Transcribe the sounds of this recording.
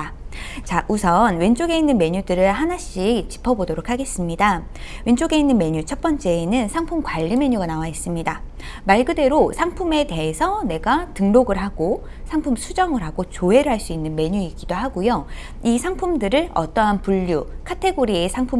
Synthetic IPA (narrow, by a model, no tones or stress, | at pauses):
t͡ɕaʔusʰʌnwe̞nt͡ɕ͈oɡe̞inːɯnme̞ɲudɯɾɯɭɦanaɕ͈ikt͡ɕi̥pʰʌbodoɾokʰaɡe̞s͈ɯmɲida | we̞nt͡ɕoɡe̞inːɯnme̞ɲut͡ɕʰʌt̚p͈ʌnt͡ɕ͈e̞ːnɯnsʰaŋpʰumkwaʎːime̞ɲuɡanawais͈ɯmɲida | maɭɡɯde̞ɾosʰaŋpʰume̞te̞esʰʌne̞ɡatɯŋɾoɡɯɭɦaɡ̥o | sʰaŋpʰumsʰud͡ʑʌŋɯɭɦaɡot͡ɕoɦe̞ɾɯɭɦaɭs͈uinːɯnme̞ɲuik͈id̥oɦaɡojo | isʰaŋpʰumdɯɾɯɭʌ̰t͈ʌɦanpuʎːukʰatʰe̞ɡoɾiesʰaŋpʰu